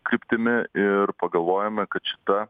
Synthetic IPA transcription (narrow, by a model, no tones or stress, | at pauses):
kɾʲɪpʲt̪ʲɪmʲɪɪɾpɐɡɐlˠʋoːjɛmʲɛkɐt̪ʃʲɪ̥t̪ɐ